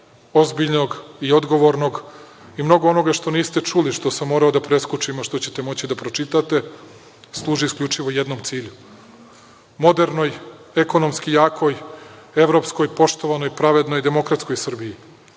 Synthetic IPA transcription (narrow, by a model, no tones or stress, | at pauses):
o̞zbiʎno̞ɡio̞d̪ɡo̞ʋo̞ɾno̞ɡ | imno̞ɡoo̞no̞ɡaʃt̪o̞niːst̪e̞t͡ʃuliʃt̪o̞samːoɾaod̪apɾe̞skut͡ʂimaʃt̪o̞t͡ɕe̞t̪e̞mo̞t͡ɕid̪apɾo̞t͡ʃit̪at̪e̞ | slˠuːʒiːskʎʲut͡ʂiʋo̞je̞d̪no̞mt̪siːʎu | mo̞d̪e̞ɾno̞j | eko̞no̞mskijaːko̞je̞ʋɾo̞psko̞jpo̞ʃt̪o̞ʋano̞jpɾaʋe̞d̪no̞jd̪e̞mo̞kɾat̪sko̞jsr̩biji